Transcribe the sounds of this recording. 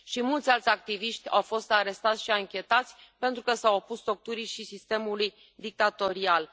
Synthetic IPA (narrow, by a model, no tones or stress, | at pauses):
ʃimult̪sʲalt̪ʲak̚t̪iviʃt̪ʲa̰wfo̞st̪aɾe̞st̪at̪sʲʃiaŋkʲe̞t̪at̪sʲpe̞nt̪ɾukəsawopust̪o̞k̚t̪uɾiʃisist̪e̞muluj | d̪ik̚t̪at̪o̞ɾial